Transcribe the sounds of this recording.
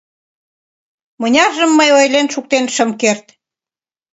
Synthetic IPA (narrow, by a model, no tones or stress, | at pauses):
mənʲɑʒəmːəjojlenʃuk̚t̪enʃəmkert̪